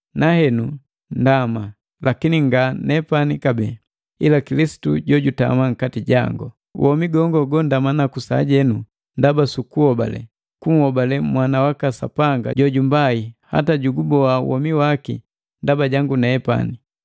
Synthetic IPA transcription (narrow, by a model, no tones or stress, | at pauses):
nahɛnu | ndama | lakiniŋɡanɛpanikabɛ | ilakilisi̥tuɟɔɟuta̰maŋ̩katiɟa̰ŋɡɔ | wʔɔmiɡɔŋɡɔɡɔndamanakusaːɟɛnu | ndabasukuɔba̰lɛ̰ | kuŋ̩hɔbalɛmwanawakasa̰paŋɡa̰ɟɔɟumbaiha̰taɟuɡubɔa̰wʔɔ̰miwakḭ | ndabaɟaŋɡunɛɛpa̰ni